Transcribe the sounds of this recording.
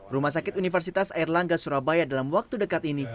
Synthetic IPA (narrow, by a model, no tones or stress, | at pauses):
rumahs̬akɪt̪̚unifərs̬it̪asairlaŋɡasuɾabajadalamwak̚t̪udəkat̪ini